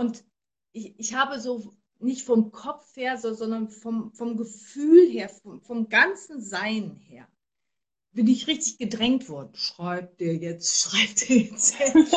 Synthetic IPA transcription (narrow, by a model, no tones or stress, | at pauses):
ʔʊnt | ʔɪçʔɪçhaːbəzoː | nɪçtfɔmkʰɔp͡fheːɐzɔzɔndɐnfɔmfɔmɡəfyːlɦeːɐfɔmfɔmɡant͡sn̩zaɪnheːɐ | b̥ɪnɪçʁɪçtɪçɡ̥ədʁɛŋtv̥ɔɐdn̩ʃʁ̥aɪp̚d̥eːɐjɛt͡stʃʁ̥aɪp̚td̥eːɐjɛt͡stheːɐ